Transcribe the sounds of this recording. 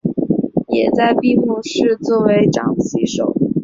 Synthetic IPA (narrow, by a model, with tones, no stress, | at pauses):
jɛ˨˩t͡sa˥˧ɪpi˥˧mu˥˧ʂɻ̩˥˧t͡swɔ˥˩we˧˥ɪʈ͡ʂɑ̰˨˩ŋɕi˧˥ʂo̰˨˩˦ʊ